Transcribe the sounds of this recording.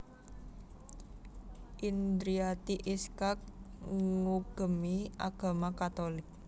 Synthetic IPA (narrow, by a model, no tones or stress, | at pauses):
ʔind̪ɾiat̪iʔiskak̚ŋuɡ̥ə̤miʔa̰ɡ̥a̤makat̪olɪk̚